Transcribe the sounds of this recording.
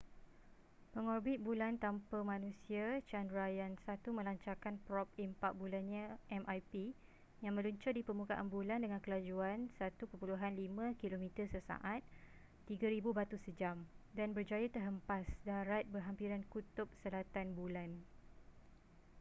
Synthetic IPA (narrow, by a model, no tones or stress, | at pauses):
pəŋɔrbɪt̪̚bulant̪ampəmãnũsiat͡ʃandɾajansat̪umə̃laɲt͡ʃakanpɾɔp̚impak̚bulanɲãʔɛmʔajpi | jaŋmə̃luɲt͡ʃʊrdipərmukaʔanbulandəŋankəlad͡ʒuansat̪upəpuluɦanlimãkilomĩt̪ərsəsa̰ʔat̪̚ː | iɡaɾibubat̪usəd͡ʒamdanbərd͡ʒajat̪ərɦəmpasdaɾat̪̚bərɦampiɾankut̪ʊp̚səlat̪anbulan